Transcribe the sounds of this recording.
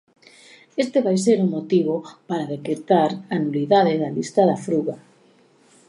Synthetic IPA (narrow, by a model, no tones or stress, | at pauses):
est̪eβajs̬eɾuŋmot̪iβ̞opaɾaðekɾet̪aɾanuliðaðeðalist̪aðafɾuɣa